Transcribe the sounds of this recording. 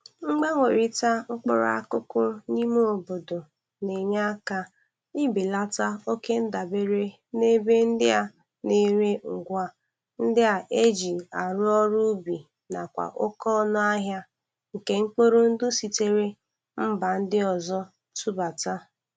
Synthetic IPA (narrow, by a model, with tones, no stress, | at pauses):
ŋ͡m̩˦ɡ͡ba˦ŋʷe˨ɾi˦ta˦ʊ˦k͡pɔ̰˦ɾ̰a˦kʊ˦kʊ˦ni˦mu˦o˨bo˨do˨ | ne˨ɲa˦ka˦ | i˦bi˨la˦ta˦o˦ke˦n̩˦da˨be˦ɾe˦ | ne˦be˦n̩˦dɪ˦a˦ | ne˦ɾe˦ŋ̩˨ɡʷa˦ | n̩˦dɪ˦a˨ʔe˦d͡ʒi˨a˨ɾʊ˦ɔ˦ɾu˦bi˨ | na̰˨kʷa̰˨ʔʊ˦kɔ˦nʊ˦a˦ɦja˦ | ŋ̩˨ke˦ŋ͡m̩˦k͡po˦ɾo˦n̩˦dʊ˦si˨te˦ɾe˦ | m̩˦ba˨n̩˦dɪ˦ɔ˨zɔ˦ | tu˦ba˨ta˦